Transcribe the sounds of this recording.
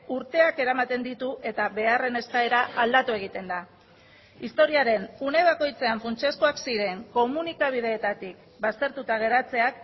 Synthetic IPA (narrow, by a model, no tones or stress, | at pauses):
uɾt̪e̞ake̞ɾamat̪e̞nd̪it̪uʔe̞t̪aβe̞are̞ne̞skae̞ɾaʔald̪at̪ue̞ɣ̞it̪e̞nd̪a | ist̪o̞ɾiaɾe̞nune̞β̞ako̞jt͡se̞aɱfunt͡ʃe̞skoaksiɾe̞ŋko̞munikaβ̞ið̞e̞ːt̪at̪ik | bast̪e̞ɾt̪ut̪aɣ̞e̞ɾat͡se̞ak